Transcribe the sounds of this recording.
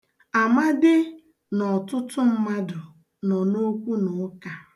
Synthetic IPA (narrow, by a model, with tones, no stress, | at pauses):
a˨ma˦dɪ˦ | nɔ˨tʊ˦tʊ˦m̩˦ma˦dʊ˨ | nɔ˨no˦kʷu˦nʊ˨˦ka˨